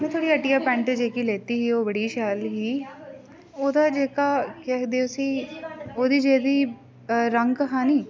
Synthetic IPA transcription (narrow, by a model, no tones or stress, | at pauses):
mɛ̃ːt̪ʰoːɽiːəʈiːjaːpɛ̃ːɳʈːd͡ʒeːkiːleːt̪iːɦiːoːbəɽiːʃɛːlɦiː | oːd̪aːd͡ʒeːkaːkɛd̪eːʊsĩːoːd̪iːd͡ʒeːd̪iː | ɾəŋɡɦãːniː